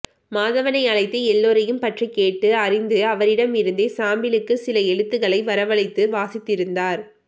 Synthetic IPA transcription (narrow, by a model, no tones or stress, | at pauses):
maːðɐʋɐnɐɪɐɭɐɪt̪ːeɛlːoːɾɐjɯmpɐʈrikːeːʈːɯɐrɪnd̪ɯɐʋɐɾɪɽɐmɪɾɯnd̪eːsaːmbɪlɯkːɯsɪlɐɛɻɯt̪ːɯɣɐɭɐɪʋɐɾɐʋɐɭɐɪt̪ːɯʋaːsɪt̪ːɪɾɯnd̪aːɾ